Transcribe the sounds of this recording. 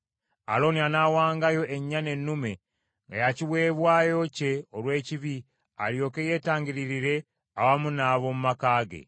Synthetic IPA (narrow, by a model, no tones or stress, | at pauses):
a̰lo̞nianawaːŋɡajo̞ʔeɲːane̞nːume̞ | ŋɡa̰jaciβwe̞ːβwaːjo̞ce̞olwe̞ːciβi | a̰ljo̞ːkeje̞ːtaːɲɟiɾiɾiɾe̞ | awamunaːβo̞mumakaːɡḛ